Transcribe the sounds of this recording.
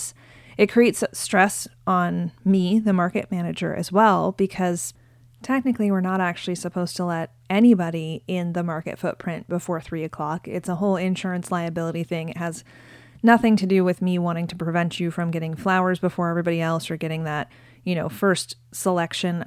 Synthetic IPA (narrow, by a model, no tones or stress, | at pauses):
s | ɨt̚kʰɹ̥ieɪtstɹ̥ɛsn̩miðɨmɑɹkɨ̰t̚mænɨd͡ʒə̰˞ʔɨ̰zwɛlˠb̥ɨkʰʌz̥ | tʰɛk̚nɨkliwɨɹnəɾæk̚t͡ʃʉl̩ˠisɨpʰoʊz̥tʰəlɛɾ | ɛnibɑɾiɪ̃nðɨmɑɹkɨ̰tfʊt̚pʰɹ̥ɪ̃nb̥əfɔɹθɹiɨkʰl̥ɑkɪ̰tsəɦoʊlˠɪ̃nʃʊɹɨ̃nslaɪɨbɪlˠəɾiθɪ̃ŋɨʔ̚ɦɨz | nʌθɪ̃ŋtʰɨdɨwɨðmiwɑ̃ɾ̃ɪ̃ŋtʰɨpɹ̥ɨvɛ̃nt͡ʃɨfɹʌ̃mɡɛɾɪ̃ŋflaʊə˞zbəfɔɹɛvɹibɑɾiɛlˠsə˞ɡɛɾɪ̃ŋðɨt̚ | jɨñoʊfɜ˞st | səlɛkʃɨ̃n